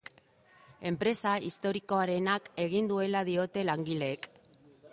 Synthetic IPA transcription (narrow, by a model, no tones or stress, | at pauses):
e̞mpɾe̞saist̪o̞ɾiko̞aɾe̞nake̞ɣ̞ind̪ue̞laðio̞t̪e̞laŋɡile̞ːk